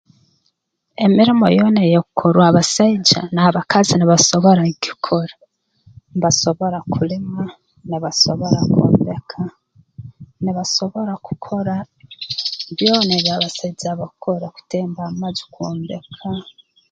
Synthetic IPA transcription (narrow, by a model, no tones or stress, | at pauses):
e̞miɾimo̞̰jonejokukʰoɾwaβasaiɟa̰naːβakaziniβaso̞βo̞ɾaki̥kʰo̞ɾa | mβaso̞βo̞ɾakʰulima | niβasoβo̞ɾako̰ːmbe̞kʰa | niβaso̞βo̞ɾaku̥kʰo̞ɾa | βjo̞ːneβjaβasaid͡ʒaβakoɾaku̥teːmbaːmazi̥koːmbe̞kʰa